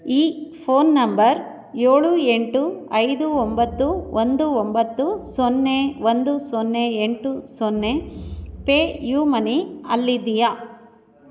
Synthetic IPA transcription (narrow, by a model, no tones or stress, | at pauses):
iːpʰoːnːɐmbɐɾ | joːɭueɳʈuɐjd̪uombɐt̪ːuʋʔond̪uombɐt̪ːusɔnːeʋond̪usɔnːeeɳʈusɔnːepeːjuːmɐniɐ̰lːid̪ija